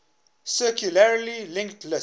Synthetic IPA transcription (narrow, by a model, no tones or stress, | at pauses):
səkjulaɾlilɪ̃ŋkʈʰlə